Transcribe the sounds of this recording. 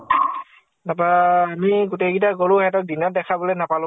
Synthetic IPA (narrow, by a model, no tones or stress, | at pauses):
napaamiɡuteɡitaɡoluɦɛtɔt̚dinɔt̚dɛkʰabɔlɛnapalʊ̃